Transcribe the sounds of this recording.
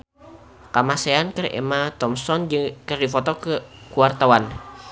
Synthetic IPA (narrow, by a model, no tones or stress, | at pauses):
kamasɛankərḛmat̪ɔmsɔnd͡ʒɨŋkərdifɔt̪ɔkəkuart̪awan